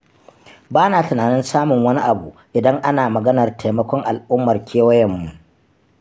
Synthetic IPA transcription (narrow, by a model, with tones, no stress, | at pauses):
baː˦naː˨tʊ˨naː˨nɪ˦nsaː˦mʊ˨ŋwɐ˦ni˦ʔa˨bṵ˨ʔɪ˨dɐ˦ŋʔa˦naː˨mɐ˨ɡɐ˦nɐ˨rtʰa˨jmɐ˦kʷɔ˦ŋʔa˨lʔʊ˦mːɐ˨rkʲʰeː˦wɐ˦jɛ˨mːu˨